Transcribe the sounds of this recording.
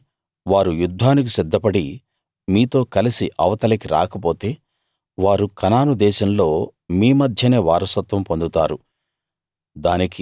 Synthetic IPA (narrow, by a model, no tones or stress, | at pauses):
ʋaːɾujud̪ʱːaːnik̬isid̪ːɐpɐɽi | miːt̪o̞ːkɐlisiʔɐʋɐt̪ɐlɐkiɾa̰ːkɐp̬o̞ːt̪e̞ː | ʋaːɾukɐnaːnud̪ɛːʃɐmlo̞ːmiːmɐd̪ʱjɐne̞ːʋaːɾɐsɐt̪ʋɐmpond̪ut̪aːɾu | d̪aːniki